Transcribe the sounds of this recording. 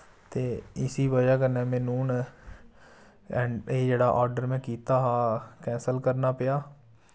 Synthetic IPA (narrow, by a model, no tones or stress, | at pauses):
t̪eːɪsiːʋəd͡ʒaːkənɛːmɛ̃ːnuːn | ɛːeːd͡ʒeːɽaːʔɔːɾɖəɾmɛ̃ːkiːt̪aːɦaːkɛ̃ːnsəlkəɾnaːpɪjaː